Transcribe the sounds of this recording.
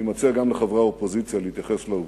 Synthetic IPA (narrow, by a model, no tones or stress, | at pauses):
imat͡seaɡamleχavʁaopozit͡sjalehit̪jaχeslauv